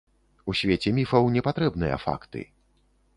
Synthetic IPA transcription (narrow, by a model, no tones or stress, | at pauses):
usʲvʲet͡sʲɛmʲifɐwnʲɛpat̪ɾɛbnɨjɐ̰fa̰kt̪ɨ̰